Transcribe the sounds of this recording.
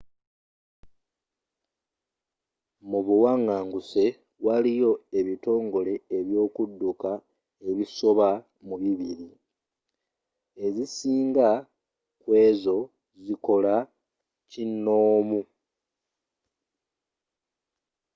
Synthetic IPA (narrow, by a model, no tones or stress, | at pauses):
muβuwaŋːaːŋɡuse̞ | walijo̞e̞βito̞ːŋɡo̞le̞eβjo̞ːkudːuka | e̞βiso̞βa | muβiβiɾi | e̞zisiːŋɡa | kwe̞ːzo̞ | ziko̞la | cinːo̞ːmu